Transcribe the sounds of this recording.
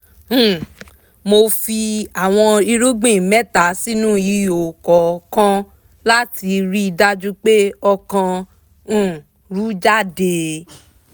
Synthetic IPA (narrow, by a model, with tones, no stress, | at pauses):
mo˧fi˧a˨w̃ɔ̃˧i˧ɾu˦ɡ͡bĩ˦˨mɛ˦ta˨˦si˦nũ˦i˧o˨kɔ˨kã˦ | la˦ti˧ɾi˦i˧da˦d͡ʒu˦k͡pe˦ɔ˧kã˧˨ | ɾu˨˦d͡ʒa˦˨de˧